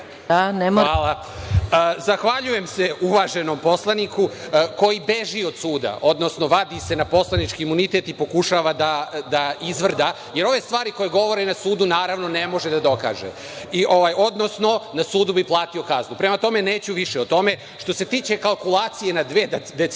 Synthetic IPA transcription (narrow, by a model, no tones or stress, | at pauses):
anemalˠa | əzaxʋaʎuje̞mseuʋaʒe̞no̞mpo̞slˠanikuko̞jibe̞ʒiod̪suːd̪a̰ʔo̞d̪no̞sno̞ʋad̪ise̞napo̞slˠanit͡ʃkiːmunit̪e̞t̪ipo̞kuʃaːʋad̪ad̪aizʋr̩d̪a | je̞ɾo̞ʋe̞st̪ʋaːɾiko̞jeɡo̞ʋo̞ɾenasuːd̪unaːɾaʋno̞nemo̞ʒed̪ad̪o̞ka̰ːʒḛ | iʔo̞ʋajo̞d̪no̞sno̞nasuːd̪ubiplˠaːt̪io̞kaznupɾemat̪o̞me̞neːt͡ɕuʋiʃeot̪o̞me̞ | ʃt̪o̞se̞t̪iːt͡ɕe̞kalˠkulˠaːt̪sije̞nad̪ʋed̪d̪e